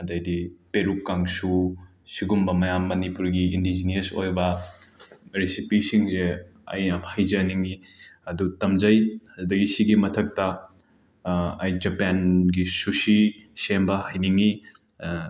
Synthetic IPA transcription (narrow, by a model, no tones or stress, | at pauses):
ɐdajdipeɾukːaŋsu | siɡumbɐmɐjamːɐnipuɾɡiindizinɐsojbɐ | ɾisipisiŋzeɐ̰jnahajzɐniŋi | ɐdutɐmzɐjɐzudɐɡisiɡimɐtʰɐk̚tɐ | jd͡ʒɐpanɡisusisembɐhajniŋi